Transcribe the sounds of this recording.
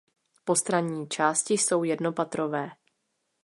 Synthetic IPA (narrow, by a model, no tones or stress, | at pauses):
po̞st̪ɾaɲiːt͡ʃaːscɪso̞wjɛdnopat̪ɾo̞vɛː